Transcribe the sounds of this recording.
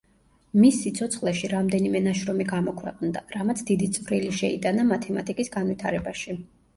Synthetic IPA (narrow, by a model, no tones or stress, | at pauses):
misːit̪sʰɔt̪sʰχlˠɛʃiɾamd̪ɛnimɛnaʃɾɔmiɡamɔkʰwɛ̰qʼnd̪aɾamat̪sʰd̪id̪it̪sʼvɾiliʃɛḭd̪anamat̪ʰɛmat̪ʼikʼisɡanvit̪ʰaɾɛbaʃi